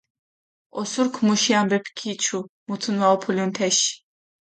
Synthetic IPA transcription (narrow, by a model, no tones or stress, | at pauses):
ɔsuɾkʰmuʃiambɛpʰkʰit͡ʃʰumut̪ʰunwaɔpʰuljunt̪ʰɛʃ